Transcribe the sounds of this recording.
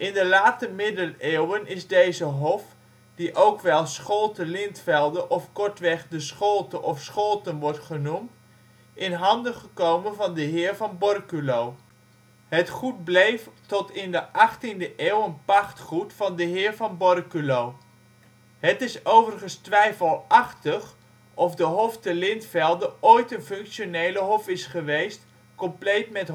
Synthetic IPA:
ʔɪndəlaːtəmɪdəneːwənɪzdejzəɦɔf | diʔowkʋɛlˠsχolˠtəlɪntfɛlˠdəʔɔfkɔɹtʋɛχdəsχolˠtəʔɔfsχolˠtənʋɔɹtχənumt | ɪnɦɑndəχəkowmənvɑndəɦɪːɹvɑnbɔrkylow | ɦətχut̚blejftɔtɪndəʔɑχtindəʔeːwənpɑχtχutfɑndəɦɪːɹvɑnbɔrkylow | ɦətɪsowvərχənstʋɛjfəlˠɑχtəχ | ɔfdəɦɔftəlɪntfɛlˠdəʔojtənfɵŋkʃonejləɦɔfɪsχəʋejst | kɔmplejtmɛt

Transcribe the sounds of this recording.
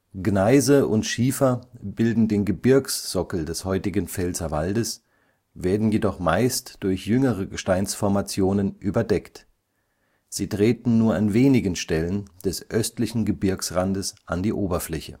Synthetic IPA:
ɡ̥naɪzəʔʊntʃiːfɐbɪldn̩deːnɡəbɪɐksz̥ɔkl̩dɛshɔʏtɪɡənfɛlzɐva̰ldəs | veːɐdn̩jedɔχmaɪstd̥ʊɐçjʏŋəʁ̞əɡəʃtaɪnsfɔɐmat͡sjoːnənʔyːbɐdɛkt | z̥iːtʁ̥eːtn̩nuːɐanveːnɪɡən̩ʃtɛlənd̥ɛsʔœstlɪçn̩ɡəbɪɐksʁandəsʔandiːʔoːbɐflɛçə̰

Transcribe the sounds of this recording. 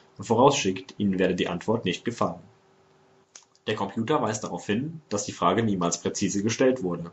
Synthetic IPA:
ʊnfoːʁ̞aʊsʃɪktʰʔḭːnənveːɐdədiːʔantv̥ɔɐtnɪçt̚ɡ̥əfalən | d̥eːɐkʰɔmpʰjuːtɐvaɪsd̥aʁaʊfhɪnd̥asd̥iːfʁ̥aːɡəniːmaːlspʁ̥ɛt͡siːzəɡəʃtɛltv̥ʊɐdə

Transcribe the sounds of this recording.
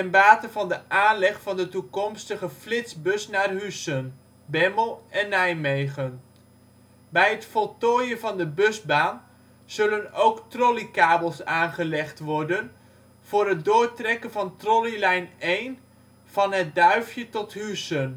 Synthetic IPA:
tɛnbaːtəvɑndəʔaːnlɛχfɑndətukɔmstəχəflɪtsbɵsnaːrɦysən | bɛməlˠɛnːɛjmejχən | bɛjətfɔlˠtɔːjənvɑndəbɵzbaːn | z̥ɵlənowktrɔlikaːbəlˠsaːnχəlɛχtʋɔɹdən | v̥ʊːɾɦət̚dʊːɹtrɛkənvɑntrɔlilɛjnejn | v̥ɑnɦət̚dœɥfjətɔtɦysən

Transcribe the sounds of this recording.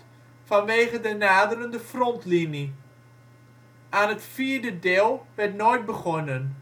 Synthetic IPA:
fanʋeːχədənaːdəɾəndəfrɔntlini | ʔaːnətfiːrdədeːlˠʋɛrtnojt̚bəχɔnən

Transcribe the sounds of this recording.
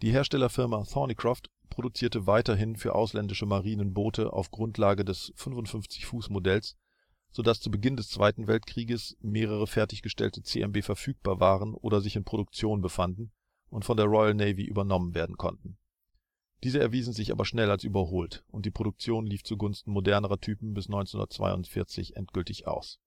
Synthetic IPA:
d̥iːɦeːɐʃtɛlɐfɪɐmaθɔnikʁ̥aft | pʁ̥oɾut͡siːɐtəvaɪtɐɦɪnfyːɐʔa̰ʊslɛndɪʃəmaʁiːnənboːtəʔa̰ʊfɡ̥ʁʊntʰlaːɡədɛsfʏnfʊntfʏnft͡sɪçfuːsmodɛls | z̥odast͡subəɡɪndɛst͡sv̥a̰ɪtn̩vɛltkʁ̥iːɡəsmeːʁ̞əʁ̞əfɛɐtɪçɡ̥əʃtɛ̰ltət͡sḛːʔɛmbeːfɛɐfyːk̚b̥aːɐvaːʁənʔo̰ːdɐzɪçɪnpʁ̥oɾʊk̚t͡sjoːnbəfandn̩ | ʔʊntfɔndeːɐʁɔʏəlnɛɪvḭʔy̰ːbɐnɔmənveːɐdn̩kʰɔ̰ntn̩ | d̥iːzəɛ̰ɐviːzn̩zɪçʔa̰ːbɐʃnɛlalsʔyːbɐɦoːltʔʊntd̥iːpʁ̥oɾʊk̚t͡sjoːnliːft͡suɡʊnstn̩modɛɐnəʁɐtʰyːpm̩bɪsnɔ̃ʏnt͡senʊ̰ndɐ̰t͡sv̥a̰ɪʊ̰ntfɪɐt͡sɪ̰çʔɛnt̚ɡ̥ʏltɪçʔa̰ʊs

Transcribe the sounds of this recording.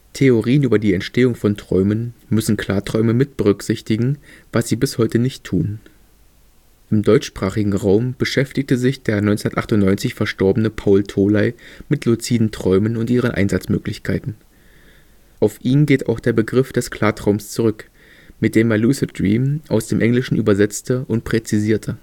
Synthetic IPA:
tʰeoʁiːənʔyːbɐdiːɛntʃteːʊŋfɔntʁ̥ɔ̰ʏmənmʏsn̩kʰl̥aːɐtʁ̥ɔʏməmɪt̚b̥əʁʏkz̥ɪçtɪɡŋ̩vasz̥iːbɪshɔʏtənɪçtʰːuːn | ʔɪmdɔʏt͡ʃʃpʁ̥aːχɪɡŋ̩ʁaʊmb̥əʃɛftɪç̚təzɪçd̥eːɐnɔʏnt͡snɐtʔa̰χtʊntnɔʏnt͡sɪçfɛɐʃtɔɐbənəpʰaʊltʰoːlaɪmɪtlut͡siːdn̩tʁ̥ɔʏmənʊntʔiːʁ̞ənʔa̰ɪnzat͡smøːklɪçkʰaɪtn̩ | ʔaʊfʔiːnɡeːtaʊxd̥eːɐbəɡʁɪfd̥ɛskʰl̥aːtʁ̥aʊmst͡suʁʏk | mɪt̚d̥eːmːaluːsəd̥ʁiːmʔaʊsd̥eːmʔɛŋlɪʃn̩ʔyːbɐzɛt͡stəʔʊnt̚pʁ̥ɛt͡siziːɐtʰə

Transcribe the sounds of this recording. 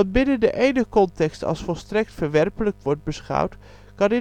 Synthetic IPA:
ɑnbɪnəndəʔejnəχkɔntɛkstɑ̰lˠsfɔlˠstrɛk̚tfəɹʋɛrpələkʋɔɹt̚bəsχʌ̰wt | kɑndɪ

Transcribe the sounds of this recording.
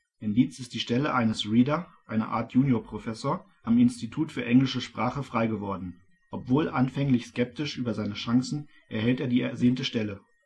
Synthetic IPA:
ʔɪndiːt͡sɪstd̥iːʃtɛləʔaɪnəsʁiːdɐʔaɪnɐ̰ʔa̰ːɐtʰjuːnjoɐpʁ̥ofɛsoːɐ | ʔamɪnstitʰuːtfyːɐʔɛŋlɪʃəʃpʁ̥aːχəfʁ̥aɪɡəvɔɐdn̩ | ʔɔpv̥oːlʔanfɛŋlɪçskɛp̚tɪʃʔyːbɐzaɪnəʃaŋsn̩ | ʔɛɐhɛlteːɐdiːɛɐzeːntəʃtɛlə

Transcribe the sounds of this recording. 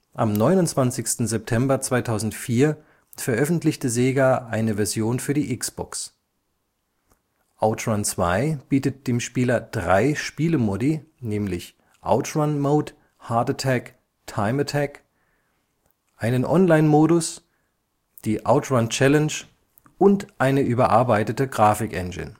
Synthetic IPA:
ʔamnɔʏnʊntt͡sv̥ant͡sɪçstn̩zɛp̚tʰɛmbɐt͡sv̥aɪtʰaʊzn̩tfiːɐ | fɛɐʔœfn̩tlɪçtəzeːɡaʔaɪnəvɛɐzjoːnfyːɐdiːʔɪksb̥ɔ̰ks | ʔaʊtɹant͡sv̥a̰ɪb̥iːtət̚d̥eːmʃpiːlɐd̥ʁaɪʃpiːləmɔdinɛːmlɪç | ʔa̰ʊtɹanmoʊt | haɐtətʰɛk | tʰaɪmətʰɛk | ʔaɪnənʔɔnlaɪnmoːɾʊs | d̥iːʔa̰ʊtɹant͡ʃɛlənʃ | ʔʊntʔaɪnəʔyːbɐʔaɐbaɪtətəɡʁaːfɪkʔɛ̰nɡɪ̰n

